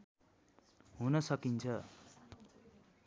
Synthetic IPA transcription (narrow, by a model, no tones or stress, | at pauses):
ɦunʌsʌkint͡sʰʌ